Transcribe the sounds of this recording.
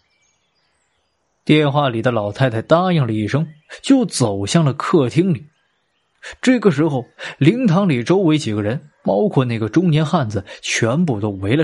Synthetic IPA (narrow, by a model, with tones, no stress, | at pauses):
t̪jɛ˥˧nxwa˥˩li˨˩d̪ə˦lɑ˨˩ʊt̪ʰa˥˧ɪt̪ʰa˥˩ɪt̪a˥ji˥˩ŋlə˩i˥˩ʂɤ˥ŋt͡ɕjo˥˩ʊt͡so˨˩ʊɕjɑ˥˩ŋlə˩kʰɤ˥˩t̪ʰi˥ŋli˨˩˦ | ʈ͡ʂɤ˥˩ɡə˩ʂ̬ɻ̩˧˥xo˧ʊli˧˥ŋt̪ʰɑ˧˥ŋli˨˩ʈ͡ʂo˥ʊwe˧˥ɪt͡ɕi˨˩ɡə˦ɻə˧˥npɑ˥ʊkʰwɔ˥˧na˥˩ɪɡə˩ʈ͡ʂʊ˥ŋnjɛ˧˥nxa˥˩nd͡zɹ̩˩t͡ɕʰɥɛ˧˥np̬u˥˩t̪o˥ʊwe˧˥ɪlə˧